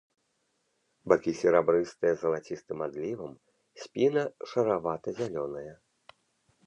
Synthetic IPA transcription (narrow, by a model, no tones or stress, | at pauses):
bakʲisʲɛɾabɾɨst̪ɨjɐzɐlˠat͡sʲist̪ɨmad̪lʲivɐm | sʲpʲinɐʂɐɾavat̪ɐzʲalʲɔnɐjɐ